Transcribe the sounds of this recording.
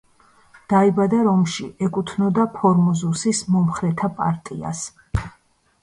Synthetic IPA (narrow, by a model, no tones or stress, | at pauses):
d̪̥aibad̪aɾɔmʃiʔɛkʼut̪ʰnɔd̪apʰɔɾmɔzusismɔmχɾɛt̪ʰapʼa̰ɾt̪ʼia̰s